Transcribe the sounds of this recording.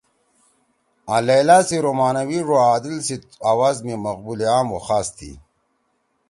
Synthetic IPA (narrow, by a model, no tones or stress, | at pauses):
alajlaːsiɾomaːnɐwiʐoaːd̪ilsit̪aːwaːzmimɐqbuleaːmwoxaːst̪ʰḭ